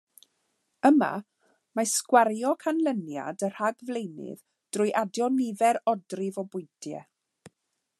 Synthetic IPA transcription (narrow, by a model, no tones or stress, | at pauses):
əma̰ | maskwaɾjɔkʰanlˠənja̰dər̥haɡvlejnɪ̰ð | d̥rʊjʔadjɔnɪvɛɾɔdrɪvɔbʊjtʰjɛ̰